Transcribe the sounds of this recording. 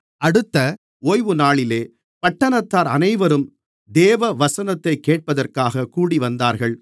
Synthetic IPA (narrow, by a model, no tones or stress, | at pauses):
ɐɽɯt̪ːɐ | oːjʋɯnaːɭɪleː | pɐʈːɐɳɐt̪ːaːɾɐ̰nɐɪʋɐɾɯm | d̪eːʋɐʋɐsɐnɐt̪ːɐɪkːeːʈ̚pɐðɐrkaːɣɐkuːɽiʋɐnd̪aːɾɣɐɭ